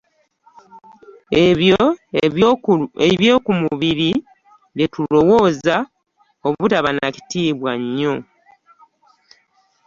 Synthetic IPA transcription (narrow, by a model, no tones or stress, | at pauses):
e | eβje̞ːkumuβiɾi | letulo̞wo̞ːza | oβutaβanaci̥tiːβwaɲːo̞